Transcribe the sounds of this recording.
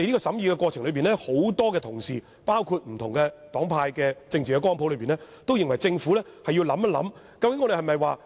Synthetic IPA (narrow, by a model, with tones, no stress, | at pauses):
e˨nli˥kɔː˧sɐ˨˥mjiː˧kɛː˧kʷwɔː˧t͡ʃʰɪ˨˩ŋlɵ˨˧ɥpiː˨nlɛ˥ho˨˥wt̪ɔː˥kɛ˧t̪ʰʊ˨˩ŋsḭː˨ | paː˥wkʰuː˧t̚m̩˨˩t̪ʰʊ˨ŋkɛː˧t̪ɔː˨˥ŋpʰaː˧jkɛː˧t͡sɪ˧ŋt͡siː˨kɛː˧kɔː˥npʰo˨˥wlɵ˨˧ɥpiː˨nlɛ˥ | t̪o˥wjɪ˨ŋwɐ˨˩jt͡sɪ˧ŋfuː˨˥lɛː˥hɐ˨ji˧wlɐ˨˥mɐ˥lɐ̰˨˥m | kɐ˧wkɪ˧˥ŋɔː˨˧de˨hɐ˨jmɐ˨jwaː˨˧